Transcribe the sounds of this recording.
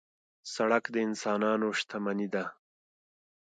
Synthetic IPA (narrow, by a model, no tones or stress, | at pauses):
saɽakd̪əɪnsɑːnɑːnoʂt̪ʰamanid̪a